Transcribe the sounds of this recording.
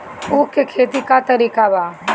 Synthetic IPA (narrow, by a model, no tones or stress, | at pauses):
ukːekʰeːt̪ikat̪ɐɾiːkabaː